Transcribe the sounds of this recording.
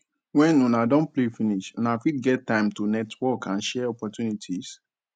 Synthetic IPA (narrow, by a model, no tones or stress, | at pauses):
wɛ̃nunadɔ̃nplefiniʃũnafit̚ɡɛtːãɪ̃mtunɛtʰwɔkʰãnʃɛɔpɔtjunitʰis